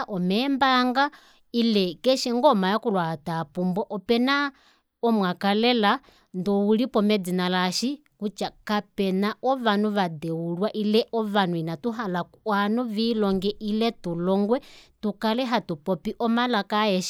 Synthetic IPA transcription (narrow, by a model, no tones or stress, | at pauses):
ʔɔmɛmbaŋɡa | ilɛkɛʃɛŋɡɔmajakulwaatapumbɔʔɔpɛna | ɔmwakalɛla | ndɔulipɔmɛd͡zinalaʃi | kut͡ʃakapɛnaʔɔβanuʋadɛwulwaʔilɛʔɔʋanuinatuɦalakanuvilɔŋɡɛʔilɛtulɔŋɡwɛtukalɛɦatupɔpiʔɔmalakaɛʃi